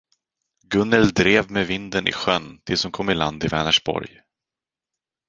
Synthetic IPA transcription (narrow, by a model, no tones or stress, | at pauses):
ɡɵnːɛld̪ɾeːvmevɪnd̪ənʔɪ̰ɧœnːt̪ʰɪlsɔmkʰɔmːɪland̪ɪvɛːnəʂbɔ̰ɾj